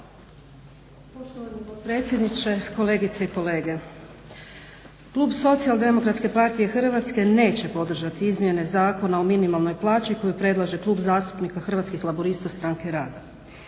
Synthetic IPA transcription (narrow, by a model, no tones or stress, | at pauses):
poʃt̪oʋanipod̪pɾet̪sʲjed̪nit͡ɕe̞ko̞le̞ːɡit̪seiko̞le̞ːɡe̞ | kluːbso̞t̪siald̪e̞mo̞kɾat̪ske̞paɾt̪ijexr̩ʋat̪ske̞ne̞ːt͡ɕe̞po̞d̪r̩ʒat̪iizmje̞ne̞zaːko̞naominimalˠno̞jplˠaːt͡ʃiko̞jupɾe̞d̪lˠaʒe̞klˠuːbzaːst̪u̥pnikaxr̩ʋat̪skixlˠaboɾist̪ast̪ɾaŋke̞ɾaːd̪a